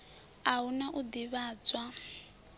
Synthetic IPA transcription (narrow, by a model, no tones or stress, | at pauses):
aunaʔud̪iβaːd͡zwa